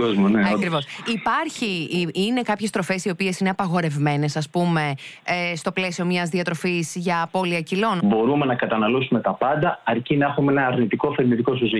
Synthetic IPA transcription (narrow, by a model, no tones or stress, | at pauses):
ozmoneɐkɾivo̞sipɐɾçiine̞kɐpçe̞st̪ɾo̞fe̞sio̞pie̞sineɐpɐɣo̞ɾe̞vme̞ne̞sɐspume̞st̪o̞ple̞sio̞mɲɐzðiɐt̪ɾo̞fisʝɐːpo̞liɐcilo̞nbo̞ɾume̞nɐkɐt̪ɐnɐlusume̞t̪ɐpɐnd̪ɐɐɾcinɐexumeenɐːɾnit̪iko̞θeɾnit̪iko̞sozi